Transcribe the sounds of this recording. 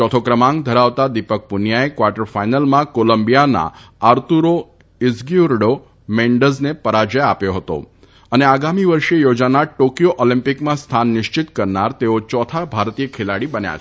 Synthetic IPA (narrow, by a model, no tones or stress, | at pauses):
t͡ʃɔt̪ʰokɾəmãŋɡd̪ʱəɾaʋt̪ad̪ipək̚punjaekʋaɾʈəɾfajnəlmãkoləmbijana̰aɾt̪uɾo | izɡiuɾɖo | meɳɖəznepəɾad͡ʒəjapjoɦət̪o̰ | əneaɡamiʋəɾʃejod͡ʒanaʈokijoʔɔlĩmpɪkmãst̪ʰanːɪʃt͡ʃɪt̪kəɾnaɾt̪eot͡ʃɔt̪ʰabʱaɾt̪ijəkʰelaɽibənja̰t͡ʃʰ